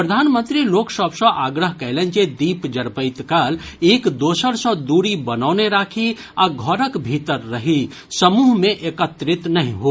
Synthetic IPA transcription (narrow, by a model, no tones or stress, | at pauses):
pɾəd̪ʱaːnmə̃nt̪ɾiloːksəbsə̃ʔaːɡɾəɦkəɪlẽnt͡ʃed̪iːpd͡ʒəɽpəɪt̪kal | eːkd̪oːsəɾsə̃d̪uːɾibənaːʊneɾaːkʰi | aɡʱɔɾəkbʱit̪əɾːəɦi | səmuːɦmẽʔekət̪ɾɪt̪nɐɦĩɦoː